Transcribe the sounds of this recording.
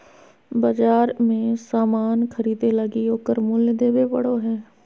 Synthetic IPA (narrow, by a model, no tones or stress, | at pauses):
bɐd͡ʒaːɾmẽsaːmaːnkʰəɾiːd̪eləɡioːkəɾmʊljd̪eːbepə̰ɽoɦɛː